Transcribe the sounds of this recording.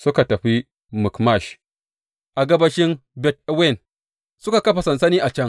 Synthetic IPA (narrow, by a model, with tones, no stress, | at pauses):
sʊ˦ka˨tɐ˨ɸi˦ | mʊ˨kma˦˨ʃ | ʔa˨ɡɐ˦bɐ˦ʃɪ˦nbɛ˦t̚we˦˨n | sʊ˦ka˨kɐ˦ɸa˨sɐ˨nsɐ˦niː˦ʔa˨t͡ʃɐ˦ŋ